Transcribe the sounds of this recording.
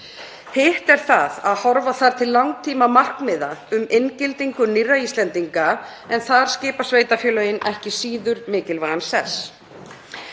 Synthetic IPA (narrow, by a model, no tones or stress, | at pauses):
hɪht̪ɛɾ̥θaðaðhɔɾvaθaɾ̥t̪ʰɪlːawŋt̪ʰiːmamar̥kmɪðaʏmejncɪlt̪iŋkʏnirːaiːst̪lɛnt̪iŋka | ɛnθaðɾ̥scɪːpasveːjt̪afjœːlœɪnɛhcɪsiːðʏɾmɪːcɪlvaɣansɛs